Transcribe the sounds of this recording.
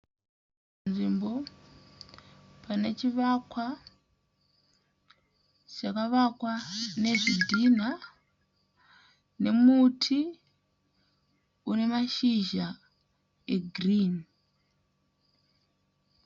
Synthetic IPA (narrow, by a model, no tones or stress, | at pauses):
nʐimbo̞ | pane̞t͡ʃiʋakwa | t͡ʃakaʋakwane̞ʐidʱina | ne̞mutʰi | une̞maʃiʒa | eɡʱriːn